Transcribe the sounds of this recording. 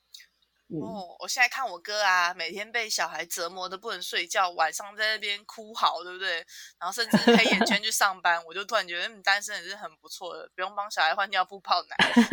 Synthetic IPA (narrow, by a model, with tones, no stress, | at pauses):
ɔ˥˩wʔɔ̰˨˩ɕjɛ˥˧na˥˧kʰa˥˩nwɔ˨˩kɤ˦a˧me˨˩ɪt̪ʰjɛ˥npe˥˩ɪɕjɑ˨˩ʊxa˧˥ɪt͡sə˨˥mwɔ˧˥d̪ə˨pu˥˩nə˨˦nswe˥˧ɪt͡ɕjɑ˥˩ʊwa˨˩nʂɑ˥˧ŋt͡sa˥˧ɪna˥˩pjɛ˦nkʰu˦xɑ˨˩ʊt̪we˥˩b̚u˨t̪we˥˩ɪna˨˧˥nxo˥˧ʊʂə˥˧nʈ͡ʂ̩˥˩xe˥jɛ˨˥t͡ɕʰɥɛ˧˥nt͡ɕʰy˥˧ʂɑ˥˩ŋpa˦nwɔ˨˩t͡ɕjo˥˧ʊt̪wa˥˩nt͡ɕɥɛ˧˥ə˦˥˨t̪a˦nʂə˥nə˨˩ʂɻ̩˥˩ə˨˩npu˧˦t͡sʰwɔ˥˩d̪ə̰˩pu˧˥jo˥˩ŋpɑ˥ŋɕjɑ˨ʊxa˧˥ɪxwa˥˩ni˨˩jɑ˥˧ʊpu˥˧pʰɑ˥˩ʊna̰˨˩˦